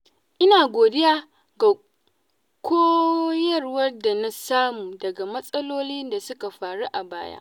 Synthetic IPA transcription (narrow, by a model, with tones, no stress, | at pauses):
ʔɪ˦naː˨ɡʷoː˨dɪ˦jaː˦ | ɡa˨ | kʷoː˦jɐ˦rwɐ˦rda˨na˦saː˦muː˨dɐ˨ɡa˨mɐ˦sʼɐ˦loː˦liː˦nda˨sʊ˦ka˨ɸaː˨ɽu˦ʔa˨ba̰ː˦ja̰ː˦ʔ